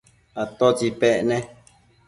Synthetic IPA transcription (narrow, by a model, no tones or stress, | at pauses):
at̪ot͡ʃipeʔnẽ